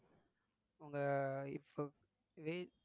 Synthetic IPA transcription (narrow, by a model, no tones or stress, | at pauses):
ɐŋɡɐɪ̰pːo | ʋeː